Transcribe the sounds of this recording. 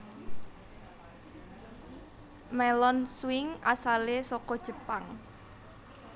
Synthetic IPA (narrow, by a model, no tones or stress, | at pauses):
mɛlɔnsuwɪŋʔa̰salesɔkɔd̥ʒ̥ə̤paŋ